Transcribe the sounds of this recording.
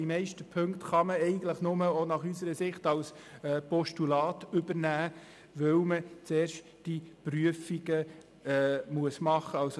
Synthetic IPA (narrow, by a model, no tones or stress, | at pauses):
imɛɪʃtəpʰɵŋktχɑməɛɪɡəntləχnʊməonɑχysəɾəsɪχtɑls | ɛːpɔʃtulɑːtʏbəɾnæː | ʋɵwmət͡seːɾʃt | d̥ipɾyəfiɡə | ɛːmuəsmɑχəɑls